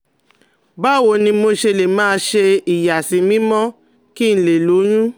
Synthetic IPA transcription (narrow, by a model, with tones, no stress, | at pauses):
ba˦˨wo˨nĩ˧mo˧ʃe˧le˨mãː˦˧˦ʃe˧i˨ja˨sĩ˨˦mĩ˦mɔ̃˦ | ki˦n̩˨le˨lo˨˦j̃ũ˦